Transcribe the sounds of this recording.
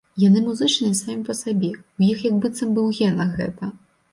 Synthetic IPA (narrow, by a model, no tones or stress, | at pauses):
janɨmuzɨt͡ʂnɨsamʲipɐsabʲɛujixjɐɡ̚bɨt̪sɐmbɨwɣʲɛnɐɣɛ̰t̪ɐ